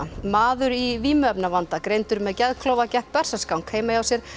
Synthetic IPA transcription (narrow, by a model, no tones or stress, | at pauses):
maːðʏɾiviːmʏœpnavant̪akɾejnt̪ʏɾmɛðcɛðkʰloːwvacɛhppɛr̥saskawnkʰeːjmajawsjɛɾ̥